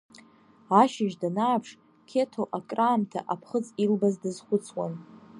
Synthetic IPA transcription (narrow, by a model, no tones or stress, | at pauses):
aʃɪʒdanaːpʰʂ | kʲʰe̞tʰoʔakʼraːmtʰa̰ʔapʰχət͡sʼilbazdɨzχʷʊt͡sʰwa̰n